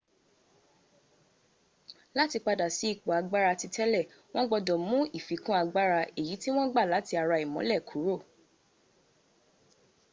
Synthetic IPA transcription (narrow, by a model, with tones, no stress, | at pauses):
la˦ti˧k͡pa˧da˨si˨˦i˦˨k͡pɔ˨a˧ɡ͡ba˦ɾa˧ti˧tɛ˦lɛ˦˨ | w̃ɔ̃˦ɡ͡bɔ˧dɔ̃˨mũ˦i˦˨fi˨˦kũ˦a˧ɡ͡ba˦ɾa˧e˨ji˨˦ti˦w̃ɔ̃˦ɡ͡ba˦˨la˨˦ti˧a˧ɾa˧i˨mɔ̃˨˦lɛ˦˨kʰu˨˦ɾo˦˨